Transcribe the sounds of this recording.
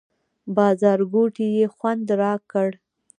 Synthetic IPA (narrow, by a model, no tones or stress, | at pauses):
bɑzɑɾɡoʈijexwand̪ɾɑkəɽ